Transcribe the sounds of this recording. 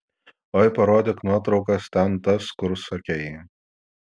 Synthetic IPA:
oːɪpɐɾoːd̪ʲeknuɔt̪ɾɒʊkɐst̪ʲɛnt̪ɐskʊɾsɐkʲeːjɛ

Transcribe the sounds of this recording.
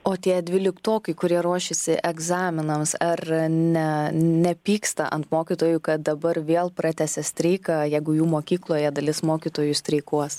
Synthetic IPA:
oːt̪ʲiɛd̪ʲʋʲɪlʲɪkt̪oːkʲɐɪkʊɾʲiɛɾuɔʃʲɪsʲɪʔɛɡzɑːmʲɪnɐmsɐrnʲɛnʲɛpʲiːkst̪ɐʔɐ̰nt̪moːkʲit̪oːjukɐt̪̚d̪ɐbɐɾʋʲeːlˠprɑːt̪ʲɛsʲɛsʲt̪ʲɾʲɛɪkɑːjɛɪɡʊjuːmoːkʲiːklˠoːjɛd̪ɐlʲɪsmoːkʲiːt̪oːjʊsʲt̪ʲɾʲɛɪkuɔs

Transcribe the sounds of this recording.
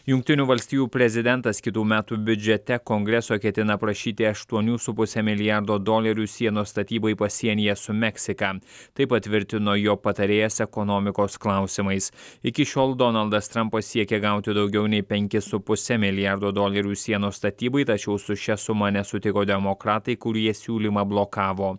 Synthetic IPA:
jʊŋk̚t̪ʲɪnʲuːʋɐlʲsʲt̪ʲiːjuːpʲɾʲɛzʲɪd̪ʲɛnt̪ɐskʲɪt̪uːmʲæːt̪uːbʲʊd͡ʒʲɛt̪ʲɛkoŋɡɾʲɛsoːkʲɛt̪ʲɪnɐpɾɐʃʲiːt̪ʲɪɐʃt̪uɔnʲuːsʊpʊsʲɛmʲɪlʲɪjɑɾd̪oːd̪oːlʲɐɾʲuːsʲiɛnoːst̪ɐt̪ʲiːbɐɪpɐsʲiɛnʲɪjɛsʊmʲɛksʲɪkɐt̪ɐɪpɐt̪ʲʋʲɪɾʲt̪ʲɪnoːjoːpɐt̪ɐɾʲeːjɛsɛkɔnoːmʲɪkoːsklˠɐˑʊsʲɪmɐɪsɪkʲɪʃʲoːlˠd̪ɔnɐlˠd̪ɐst̪ɾɐmpɐssʲiɛkʲeɡɐʊt̪ʲɪd̪ɒʊɡʲɛʊnʲɛɪpʲɛŋʲkʲɪsʊpʊsʲɛmʲɪlʲɪjɑɾd̪oːd̪oːlʲɐɾʲuːsʲiɛnoːst̪ɐt̪ʲiːbɐɪt̪ɐt͡ʃʲɛʊsʊʃʲɛsʊmɐnʲɛsʊt̪ʲɪkoːd̪ʲɛmɔkɾɑːt̪ɐɪkʊɾʲiɛsʲuːlʲimɐblˠokɑːʋoː

